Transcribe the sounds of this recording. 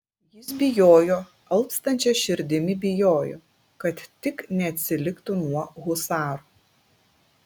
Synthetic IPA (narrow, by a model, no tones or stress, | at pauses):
jɪsbʲɪjoːjoː | ɐlˠpst̪ɐnʲt͡ʃʲɛʃʲɪɾʲd̪ʲɪmʲɪbʲɪjoːjo̰ː | kɐt̪ːʲɪknʲɛɐt̪ʲsʲɪlʲɪkt̪ʊnuɔɣʊsɑːɾu